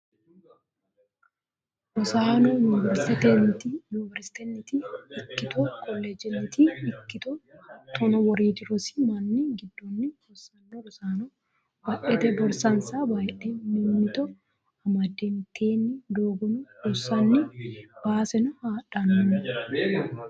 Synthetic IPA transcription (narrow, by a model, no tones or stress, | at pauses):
ɾɔsaːnɔjʊnɪvɛɾst̪ɪt̪ent̪ijʊnɪvɛɾsɪ̥t̪ɛnːɪt̪iɪkːɪt̪ɔkʰɔlːɛd͡ʒɛnːɪt̪ʰiɪkːɪt̪ɔt̪ʰɔnɔwɔɾiːd̪ɪɾɔsɪ̥mɐnːɪɡɪd̪ːɔnːɪɾɔsɐnːɔɾɔsaːnɔ | bɐʔɛt̪ɛbɔɾsɐnsaːbaːjʔenɪnːɪt̪ɔ | ɐmɐd̪ent̪ʰeːnːɪd̪oːɡɔnʊɾɔsɐnːɪb̥aːsɛnʊhaːᶑɐnːʊnɪ